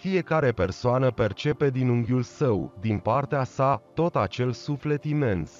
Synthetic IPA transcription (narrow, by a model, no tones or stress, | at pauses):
fije̞kaɾe̞pe̞rsoanəpe̞rt͡ʃe̞pe̞d̪inuŋɡʲjulsəwd̪inpart̪easat̪o̞t̪at͡ʃe̞lsufle̞t̪ime̞ns